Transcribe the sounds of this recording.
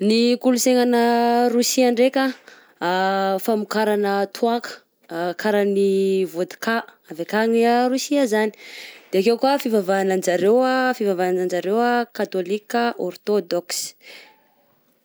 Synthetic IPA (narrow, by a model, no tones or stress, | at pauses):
nikuluseŋanəɾusiaɳɖ͡ʐekʲa | famukaɾanət̪ʰuakə̥ | kaɾanivod̪i̥kaavekaŋiaɾusiazani̥d̪̥eakewkuafivavaːnand͡ʒaɾewafivavanand͡ʒaɾewakat̪olikəʔɔrt̪od̪ɔks